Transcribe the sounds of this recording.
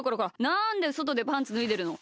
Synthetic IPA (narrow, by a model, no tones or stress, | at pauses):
koɾokaanãnd̪e̞sot̪o̞d̪e̞pãnt͡sɨnɯ̟id̪e̞ɾɯ̟no̞